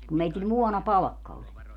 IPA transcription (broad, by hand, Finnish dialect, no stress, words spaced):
kum meitil muɔnɑpɑlɑ̆kːɑ olʲ